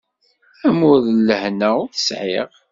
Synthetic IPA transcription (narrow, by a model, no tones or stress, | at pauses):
æmʊðlːəhnæʊθə̥sʕḭʁ